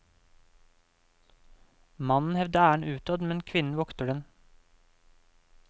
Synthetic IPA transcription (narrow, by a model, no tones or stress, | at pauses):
mɑnn̩hɛʋd̪əæːəɳ̩ʔʉːt̪ɑːd̪mɛnkʰʋɪnn̩ʋɔkt̪əd̪ɛn